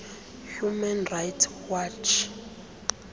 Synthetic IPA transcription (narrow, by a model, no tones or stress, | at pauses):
humanrajtʰwat͡ʃʰ